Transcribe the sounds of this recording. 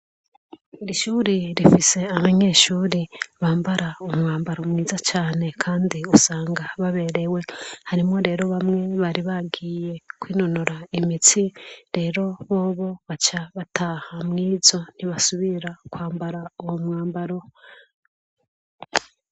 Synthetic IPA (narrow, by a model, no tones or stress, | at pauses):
iɾiʃuːɾiɾifise̞aβaɲe̞ːʃuːɾiβaːmbaɾʔaomŋaːmbaɾo̞mŋiːzat͡ʃaːne̞kʰaːndiusaːŋɡaβaβe̞ɾe̞we̞haɾimŋo̞ɾe̞ːɾo̞βamŋe̞βaːɾiβaɡiːje̞kwiːnonoɾaimitiɾe̞ːɾo̞βo̞ːβo̞βat͡ʃaβatʰahamŋiːzo̞niβasuβiɾakwaːmbaɾaowomŋaːmbaɾo̞